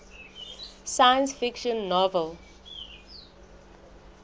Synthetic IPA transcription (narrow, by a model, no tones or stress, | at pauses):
sajə̃nsfikʃɔ̃nːɔvəl